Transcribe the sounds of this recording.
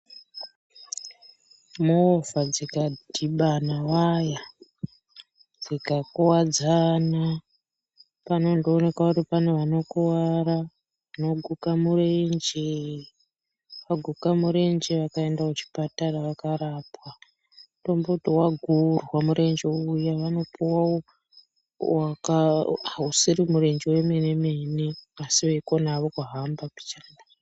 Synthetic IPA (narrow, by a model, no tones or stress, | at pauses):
muovad͡zikadʱiɓanawaja | d͡zikakuwad͡zana | pano̞ndoːne̞kauripaneʋano̞kuwaɾa | no̞ɡʱukamurend͡ʒe | ʋaɡʱukamuɾe̞nd͡ʒeʋakae̞ndaut͡ʃi̥pataraʋakaɾaːpwa | to̞mbotwaɡʱurwamuɾe̞nd͡ʒeujaʋano̞puwawo | wakausiɾimuɾe̞nd͡ʒewe̞mene̞me̞ne̞asiʋeikonaʋo̞kuɦambapi̥t͡ʃana